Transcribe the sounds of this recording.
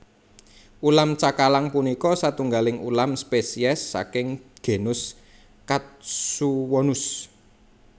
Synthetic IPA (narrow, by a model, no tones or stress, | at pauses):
ʔulamt͡ʃakalaŋpunikɔsat̪uŋɡalɪŋṵlamspesiɛsːa̰kɪŋɡ̥e̤nʊs | kat̪̚suwɔnʊs